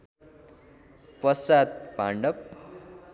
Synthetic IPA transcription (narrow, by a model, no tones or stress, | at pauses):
pʌsat̪̚pa̰ɳɖʌp̚